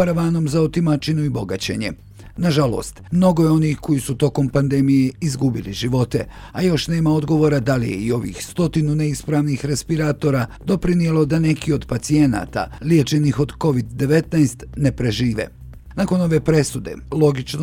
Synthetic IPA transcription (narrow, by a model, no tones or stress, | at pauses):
aɾaʋaːno̞mzaot̪imat͡ʃinuibo̞ɡat͡ɕe̞̰ɲe̞̰ | naʒalo̞̰ːst̪mno̞ɡo̞jeo̞nixko̞jisut̪o̞ko̞mpand̪e̞mije̞izɡubilḭʒiʋo̞t̪e̞̰ | ajo̞ʃne̞ːmao̞d̪ɡo̞ʋo̞ɾad̪alḭjḛio̞ʋḭːxst̪o̞t̪inune̞ispɾaːʋnixɾespiɾaːt̪o̞ɾad̪o̞pɾinije̞lo̞d̪ane̞kʰio̞d̪pat̪sie̞na̰ːt̪a̰lje̞t͡ʃe̞nixo̞d̪ko̞ʋid̪ːe̞ʋe̞t̪najst̪ne̞pɾe̞ʒiːʋḛ | nakono̞ʋe̞ːpɾe̞sud̪e̞̰lo̞ɡit͡ʃno